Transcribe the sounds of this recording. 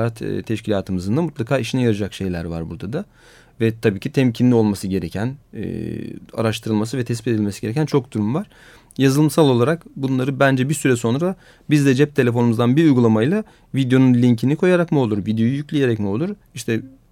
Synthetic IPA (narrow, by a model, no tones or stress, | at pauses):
at̪ːt̪ʰɛʃcilʲaːt̪ʰɯmɯzɯnd̪amut̪lˠakʰaːiʃinɛjaɾɯd͡ʒakʃe̞jlʲæ̰ɾva̰ɾbuɾd̪ad̪a | vɛt̪ʰabiːcʰit̪ʰɛmcʰinlʲio̞lˠmasɯɟe̞ɾecʰæn̰ː | a̰ɾaʃt̪ʰɯɾɯlˠmasɯvɛt̪ʰɛs̬pit̪ed̪ilʲmesiɟeɾecʰʲænt͡ʃʰo̞k̚d̪uɾumvaɾ̥ | jazɯlˠɯmsalˠo̞lˠaɾakbunlˠaɾɯbænd͡ʒɛbiɾsyɾɛso̞nɾa | bizd̪ɛd͡ʒɛp̚t̪ʰelʲe̞fo̞numuzd̪anbiɾujɡulˠamajlˠa | vid̪jo̞nunlʲiɲcʰinikʰo̞jaɾakmio̞lˠuɾvid̪jo̞jujycʲlʲije̞ɾɛcmio̞lˠuɾ | iʃt̪ʰɛ